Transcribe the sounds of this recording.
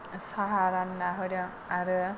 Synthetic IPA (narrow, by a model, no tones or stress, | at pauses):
saɦaɾanːaɦɯɾjɔŋ | aɾɯ